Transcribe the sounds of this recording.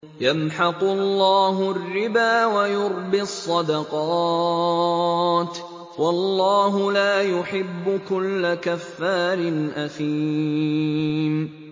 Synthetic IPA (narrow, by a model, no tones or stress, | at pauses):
jamħɑqʊlːɑːɦʊrːɪbaːwajʊɾbɪsˤːɑd̪ɑqɑ | t̪ | wɑlːɑːɦʊlaːjʊħɪbːʊkʊlːakafːaːɾɪnʔaθiː | m